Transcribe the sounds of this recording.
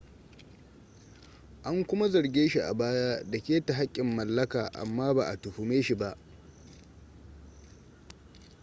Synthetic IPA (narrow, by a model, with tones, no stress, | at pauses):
ʔa˦ŋkʷʊ˦ma˦zɐ˨ɾɡʲeː˦ʃi˨ʔa̰˨baː˦jaː˦dɐ˨kʲeː˦ta˨ɦa˦kʲʼːɪ˨mːɐ˨lːɐ˦kaː˨ʔa̰˨mːaː˦baː˨ʔa˨tʊ˨ɸu˨meː˦ʃi˨ba˦ʔ